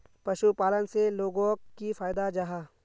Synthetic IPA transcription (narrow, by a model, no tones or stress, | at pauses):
pɐʃupaːlənseloːɡõkifaːjd̪ad͡ʒaɦaː